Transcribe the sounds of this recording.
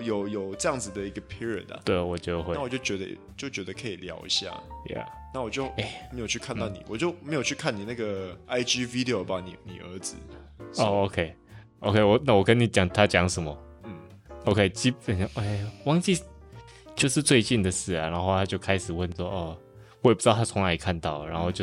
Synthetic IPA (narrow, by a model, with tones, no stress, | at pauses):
jo˨˩ʊjo˨˩ʊʈ͡ʂɤ˥˧jɑ˥˩ŋd͡zɹ̩˨˩d̪ə˨i˧˥ɡə˨pʰi˥ɹi˨ə̰˨˩na̰˨t̪we˥˩ɪ˨wɔ˨˩t͡ɕjo˥˧ʊxwe˥˧˨ɪwɔ˨˩t͡ɕjo˥˩ʊt͡ɕɥɛ˧˥d̪ə̰˧˨˩t͡ɕjo˥˩ʊt͡ɕɥɛ˧˥d̪ə˨kʰə˧˦i˨˩ljɑ̰˧˥ʊḭ˧˥ɕja̰˥˩ja̰˨˩na˥˩wɔ˨˩t͡ɕjo˥˧ʊe˩mme˧˥ɪjo˨ʊt͡ɕʰy˥˧kʰa˥˧nt̪ɑ˥˩ʊnḭ˨˩wɔ˨˩t͡ɕjo˥˩ʊme˧˥ɪjo˨˩ʊt͡ɕʰy˥˧kʰa˥˨ni˨˩na˥˩ɡə˩a˥ɪd͡ʒi˥vi˥d̪i˨o˨˩ba˨ni˨˩nḭ˨˩ə̰˞˧˥d͡zɹ̩˨˦o˥o˧kʰe˥˧ɪ | ʔo˧ʊkʰe˥˧ɪwɔ˨˩na˥˩wɔ˨˩kə˦nːi˨˩t͡ɕjɑ˨˩ŋt̪ʰa˦˥t͡ɕjɑ˧˦ŋʂə˨˦nmə˦ | n̩˥˩ | o˧ʊkʰe˥˩ɪt͡ɕi˦˥pə˨˩n˧ʔe˥˩wɑ˥ŋt͡ɕi˥˧ | t͡ɕjo˥˧ʊʂɻ̩˥˧t͡swe˥˧ɪt͡ɕi˥˩nd̪ə˩ʂɹ̩˥˩ɐ˨˩na˧˦nxo˥˧ʊt̪ʰa˥t͡ɕjo˥˩ʊkʰa˥ɪʂɻ̩˨˩wə˥˨nswɔ˥ɔ˥˩ | wɔ˧˥˨pu̥˧˥t̪ɑ˥˨˩a˥˩t͡sʰʊ˧˥ŋla˧˥i˨˩kʰa˥˧nt̪ɑ˥˩ʊɻa˧˦nxo˥˧ʊt͡ɕjo˥˧